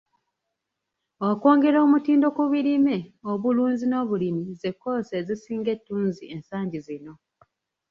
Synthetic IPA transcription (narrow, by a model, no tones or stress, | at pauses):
oko̞ːŋɡe̞ɾo̞ːmutiːndo̞kuβiɾime̞oβuluːnzino̞ːβulimize̞kːo̞ːse̞zisiːŋɡe̞tːuːnzie̞nsaːɲɟizino̞